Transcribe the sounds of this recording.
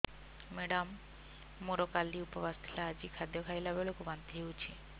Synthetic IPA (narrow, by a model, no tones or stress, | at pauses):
meɖamː | oɾokaliupɔbast̪ʰilaad͡ʑikʰad̪jɔkʰajlabelokubant̪iɦewt͡ɕʰḭ